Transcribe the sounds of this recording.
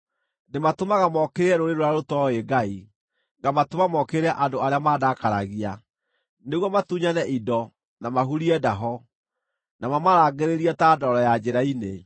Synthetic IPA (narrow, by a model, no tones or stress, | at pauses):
nematomaɣamɔkeɾeɛɾoɾeɾoɾaɾotɔeɡai | ŋɡamatomamɔkeɾɛʔadoaɾeamaːdakaɾa̰ɣia | neɣwɔmatuɲanɛʔidɔ | namaɦuɾiɛdaɦɔ | namamaɾaːɡeɾeɾiɛtadɔɾɔjad͡ʑeɾaine